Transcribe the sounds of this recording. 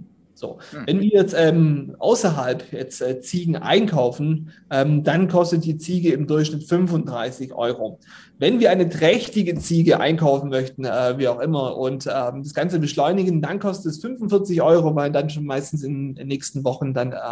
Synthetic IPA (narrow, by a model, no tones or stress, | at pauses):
z̥o̰ːvɛnviːɐjɛt͡stʔɛːmʔa̰ʊsɐɦalpjɛt͡stʔɛːt͡siːɡŋ̩ʔa̰ɪnkʰaʊfn̩ʔɛːmd̥ankʰɔstət̚d̥iːt͡siːɡəɪmdʊɐçʃnɪtfʏnvʊnt̚d̥ʁaɪsɪçʔɔ̰ʏʁoː | vɛnviːɐaɪnətʁ̥ɛçtɪɡət͡siːɡəʔa̰ɪnkʰaʊfn̩mœçtn̩ɛːviːaʊxʔɪmɐʔʊntʔɛːmd̥asɡ̥ant͡səbəʃlɔʏnɪɡən̩dankʰɔstətɛsfʏnvʊnfɪɐt͡sɪçʔɔʏʁovaɪndanʃ̬oːnmaɪstn̩sɪnnːɛːçstn̩vɔχn̩danɛ